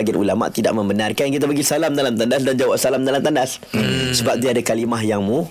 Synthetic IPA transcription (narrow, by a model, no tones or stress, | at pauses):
aɡianʔṵlama̰ʔt̪ida̰ʔ̚mə̃mbənarkanjŋkit̪̬abaɡisalamdalamt̪andas̬dand͡ʒawap̚salamdalamt̪andas | səbap̚d̪iadakalimaɦjaŋmũ